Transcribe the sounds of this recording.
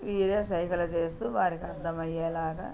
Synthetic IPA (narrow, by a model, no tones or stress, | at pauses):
ʋiːɾeːsɐjkɐlɐt͡ʃe̞ːst̪uːʋaːɾikiɐd̪ːɐmɐjːeːlaːɡɐ̰